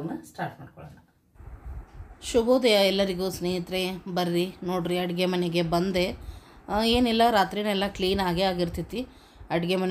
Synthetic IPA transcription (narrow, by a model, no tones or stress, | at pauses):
nːɐsʈaːɾʈmaːɖ̚kɔɭɐnɐ | ʃuboːd̪ɐjɐɛlːɐɾiɡusneːɦit̪ɾebɐɾɾino̞ːɖɾiɐʈiɡemɐneɡe̞bɐnd̪e̞ | eːnilːɐɾaːt̪ɾinɛlːɐkliːnaːɡeaːɡiɾt̪it̪ːi | ɐɽiɡemɐn